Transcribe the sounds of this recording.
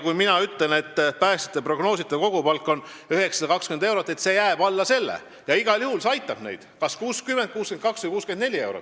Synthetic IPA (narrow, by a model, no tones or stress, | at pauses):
kujminɑyt̪ːˑle̞lne̞t̪ːpæːst̪i̥t̪ːˑepro̞ɡ̥no̞ːsit̪ːˑeko̞ɡ̥upɑlkˑːo̞n | yhe̞ksɑd̪̥ɑkɑkskymend̪ewɾot̪ːˑe̞t̪se̞jæːb̥ɑlːɑse̞lːḛ | jɑiɡ̥ɑlʲjuhulsɑjt̪ːˑɑb̥nḛjd̪̥kɑskuːskymend̪̚kuːsken̚kɑksvɨjkuːskyend̪ne̞lʲie̞wɾo̰t̪ːˑ